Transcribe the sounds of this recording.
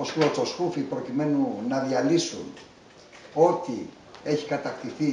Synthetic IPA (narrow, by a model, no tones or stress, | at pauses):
osuososkufipɾo̞cime̞nunɐðiɐlisṵn | o̞t̪i | e̞çi̥kɐt̪ɐkt̪iθi